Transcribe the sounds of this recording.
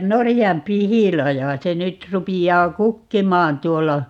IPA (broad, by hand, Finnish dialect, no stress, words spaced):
norijɑmpihilɑjɑ se nyt rupijːɑː kukːimɑːn tuolːɑ